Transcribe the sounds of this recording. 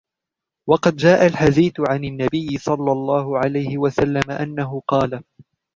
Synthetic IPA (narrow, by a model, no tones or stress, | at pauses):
wɑqɑd̪̚d͡ʒaːʔalħad̪iːθʊʕanɪnːabɪjːɪsˤɑlːɑlˤːɑːhʊʕalajhɪwasalːamaʔanːaɦʊqɑːla